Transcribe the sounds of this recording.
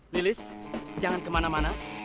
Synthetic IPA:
lilɪsd͡ʒaŋankəmanamana

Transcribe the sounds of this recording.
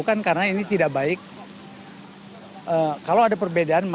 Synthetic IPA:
kankarənainit̪idaʔbaɪk̚ | ʔəːkalawadapərbedaanm

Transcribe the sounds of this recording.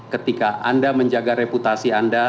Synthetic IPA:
kət̪ikaʔandaməɲd͡ʒaɡaɾeput̪asianda

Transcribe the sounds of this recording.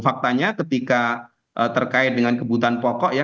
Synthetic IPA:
fak̚t̪aɲakət̪ika | ʔət̪ərkaɪt̪̚dəŋankəbut̪aanpɔkɔʔja

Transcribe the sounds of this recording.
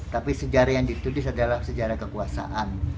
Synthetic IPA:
t̪apisəd͡ʒaɾajaŋdit̪udɪsadalahsəd͡ʒaɾakəkuasa̰ʔan

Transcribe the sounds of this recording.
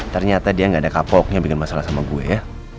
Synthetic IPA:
t̪ərɲat̪adiaŋɡaːdakapɔk̚ɲabikɪnmasalahsamaɡuḛja

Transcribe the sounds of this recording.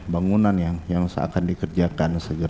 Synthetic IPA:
baŋunanjaŋjaŋsa̰kandikərd͡ʒakansəɡəɾ

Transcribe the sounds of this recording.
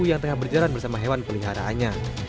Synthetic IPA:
ujaŋt̪əŋahbərd͡ʒalanbərsamaɦewanpəliɦaɾa̰ːnɲa

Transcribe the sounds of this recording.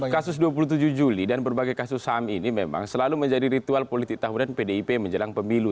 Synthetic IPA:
kasʊsduap̬ulut̪̬ud͡ʒuhd͡ʒulidanbərbaɡajkasʊsaminimema̰ŋsəlaluməɲd͡ʒadiɾit̪ualpolit̪ɪk̚t̪aɦunanpedeipeməɲd͡ʒəlaŋpəmilu

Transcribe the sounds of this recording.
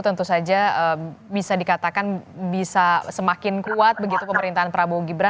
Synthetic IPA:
t̪ənt̪usad͡ʒaəbisadikat̪akanbisasəmakɪnkuat̪̚bəɡit̪upəməɾint̪aɦanpəɾaboɡibɾa

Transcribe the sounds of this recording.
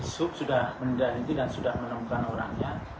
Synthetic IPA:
isʊk̚sudahməndalit̪idansudahmənəmukanoɾaŋɲa

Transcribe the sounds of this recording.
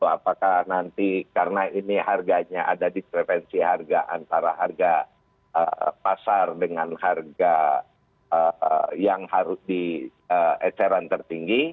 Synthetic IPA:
a̰pakahnant̪ikaɾənainiharɡaɲaʔa̰dadipɾɛfɛnsiɦarɡaʔa̰nt̪aɾaɦarɡa | ə̰pasardəŋanharɡa | əjaŋhaɾʊsdiəɛt͡ʃɛɾant̪ərt̪iŋɡi

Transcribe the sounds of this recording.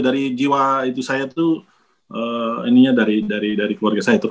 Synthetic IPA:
daɾid͡ʒiwait̪usajat̪u | ʔəːḭniɲadaɾidaɾidaɾikəluarɡasajat̪əɾ

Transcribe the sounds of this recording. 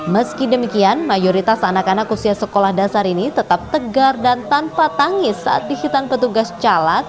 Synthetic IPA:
məskidəmikianmajoɾit̪asanakanakusiasəkolahdasaɾinit̪ət̪ap̚t̪əɡardant̪anpat̪aŋɪsa̰ʔa̰t̪̚dihit̪anpət̪uɡast͡ʃalat̪̚

